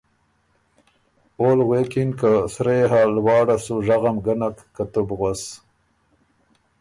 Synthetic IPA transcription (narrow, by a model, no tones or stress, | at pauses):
oːlɣekinkasɾeːɦalwɑːɽasuʐaɣamɡanakːat̪ubɣas